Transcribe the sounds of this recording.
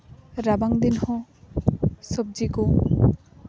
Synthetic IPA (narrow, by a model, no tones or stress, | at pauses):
ɾabaŋd̪inhɔ̃ | sɔb̚d͡ʒiko